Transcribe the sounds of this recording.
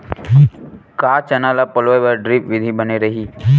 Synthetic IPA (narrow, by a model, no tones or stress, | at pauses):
kaːt͡ʃɐnaːlapəlʋojʋəɾɖɾipʋɪd̪ʱibəneɾɐɦiː